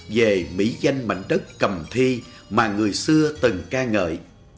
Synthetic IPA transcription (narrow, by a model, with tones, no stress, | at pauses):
ve˨˩mḭ˧˥za˧jŋ̟ma̰˧˨jŋ̟ɗə˦˥k̚ːə˨˩mt̪ʰi˧ | maː˨˩ŋɨ˨˩əjsɨ˧ət̪ɨ˨˩ŋkaː˧ŋə̰ː˧˨j